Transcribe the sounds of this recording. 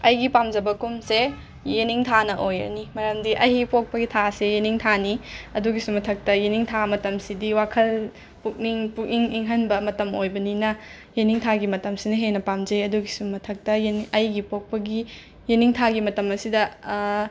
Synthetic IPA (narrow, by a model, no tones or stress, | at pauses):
ɐjɡipamd͡ʒɐbɐkumse | jeniŋtʰanɐʔojɐ̰nimɐɾɐmdiʔɐjɡipok̚pɐɡitʰasejeniŋtʰaniɐduɡisumɐtʰɐk̚tɐjeniŋtʰamɐtɐmsidiwakʰɐl | puk̚niŋpuk̚niŋiŋɦɐnbɐmɐtɐmojbɐninɐ | jeniŋtʰaɡimɐtɐmsinɐɦenɐpamd͡ʒejɐduɡisummːɐtʰɐk̚tɐjɐjɡipok̚pɐɡi | jeniŋtʰaɡimɐtɐmɐsidɐ